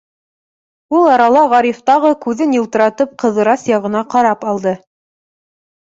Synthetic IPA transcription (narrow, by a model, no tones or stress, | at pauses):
ulˠɑɾɑlˠɑʁɑɾift̪ɑʁɤkʉðɘnjŭlˠt̪ɤ̆ɾɑt̪ɤp̚qɤ̆ðɤ̆ɾɑsjɑʁɤ̆nɑqɑɾɑpɑlˠd̪ɤ